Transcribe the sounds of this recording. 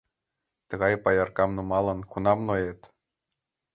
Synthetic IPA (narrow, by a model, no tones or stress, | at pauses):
t̪ɤ̆ɣɑjpɑjɑrkɑmnumɑlˠɤ̆nkunɑmnojet̪